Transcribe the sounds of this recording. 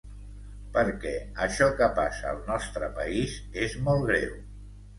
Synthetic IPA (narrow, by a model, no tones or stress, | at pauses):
pəɾkɛəʃɔkəpasəːlˠnɔst̪ɾəpəizezmɔlˠɣɾḛw